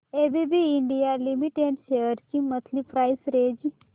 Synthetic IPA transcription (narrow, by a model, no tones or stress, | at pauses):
ebibiiɳɖijalimiʈeɖʃeəɾt͡ʃimət̪ʰlipʰɾajsɾed͡ʒ